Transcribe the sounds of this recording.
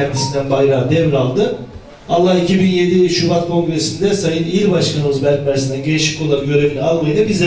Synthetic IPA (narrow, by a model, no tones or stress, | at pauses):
ænd̪isind̪ænbajɾaːd̪ɛvɾalˠd̪ɯ | alˠːahicʰibinje̞d̪iʃubat̪̚kʰo̞ŋɡɾe̞sind̪ɛsajɯniɾbaʃkʰanɯmɯzbælʲc̚mæɾs̬ind̪ɛɟe̞liʃi̥cʲʰo̞lˠanɟø̞ɾe̞vinʲialˠmajɯd̪ˠabiz